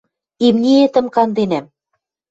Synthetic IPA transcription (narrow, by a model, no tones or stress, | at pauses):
imnʲiet̪ə̆mkɑnd̪enæm